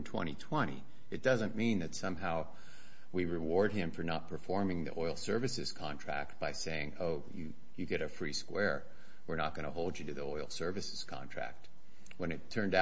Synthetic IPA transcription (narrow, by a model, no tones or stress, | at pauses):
tʰw̥ɛ̰̃ɾ̃itʰw̥ɛ̃ɾ̃ḭ | ɨt̚d̥ʌzɨ̃nmĩnðɨtsʌ̃mɦaʊ | wiɹɨwɔɹd̚ɪ̃ɱfə˞nət̚pʰə˞fɔɹmɪ̃ŋðḭʔɔɪlˠsɜ˞vɨsɨz̥kʰɑ̃ntʰɹ̥æ̰k̚t̚b̥aɪseɪɪ̃ŋoʊjɨ | jɨɡɛɾɨfɹiskwɛɹ | wɨɹnət̚ɡ̥ʌñəɦoʊlˠd͡ʒɨɾɨðiɔɪlˠsɜ˞vɨsɨz̥kʰɑ̰̃ntʰɹ̥æ̰k̚t̚ | wə̃ñɨtʰɜ̃˞nda